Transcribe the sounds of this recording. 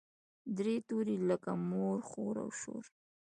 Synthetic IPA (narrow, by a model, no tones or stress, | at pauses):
d̪ɾet̪uɾiləkamoɾxoɾa̰wʃo̰ɾ